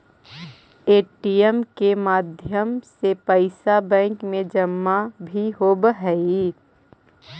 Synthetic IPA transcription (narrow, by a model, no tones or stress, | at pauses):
eːʈijəmkemaːd̪ʱjəmsepəɪsabɛ̃ːŋkmẽd͡ʒəmːabʱiɦobəɦɛi